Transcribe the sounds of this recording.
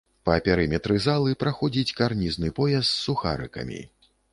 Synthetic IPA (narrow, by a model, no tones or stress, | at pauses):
pɐpʲɛɾɨmʲɛt̪ɾɨzalˠɨpɾaxɔd͡zʲit͡sʲkarnʲiznɨpɔjɛst̪ssːuxa̰ɾɨ̰kɐ̰mʲḭ